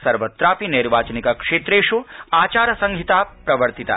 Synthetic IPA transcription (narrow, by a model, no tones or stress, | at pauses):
sɐɾʋɐt̪ɾaːpiniɾʋaːt͡ʃɐnikɐkʂeːt̪ɾeːʂuaːt͡ʃaːɾɐsɐŋɡʱit̪aːpɾɐʋɐɾt̪it̪a̰